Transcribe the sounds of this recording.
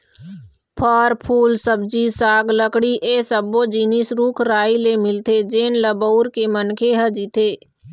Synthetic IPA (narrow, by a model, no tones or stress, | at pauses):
pʰəɾpʰuːlsəb̚d͡ʒisaːɡləkɽiʔesəbːod͡ʒiːnɪsɾuːkʰɾaːilemɪlt̪ed͡ʒeːnləboːɾkemənkʰeɦəd͡ʒit̪eː